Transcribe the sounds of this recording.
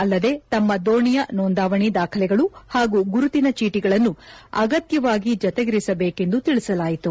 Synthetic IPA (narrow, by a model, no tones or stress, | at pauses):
ɐlːɐd̪e̞ːt̪ɐmːɐd̪oːɳijɐnoːnd̪aːʋɐɳid̪aːkʰɐlɛɡɐɭuhaːɡuːɡuɾut̪inɐt͡ʃiːʈiɡɐɭɐnːuɐ̰ɡɐt̪jɐʋaːɡid͡ʒɐt̪ɛɡiɾisɐbeːke̞nd̪ut̪iɭisɐlaːjit̪u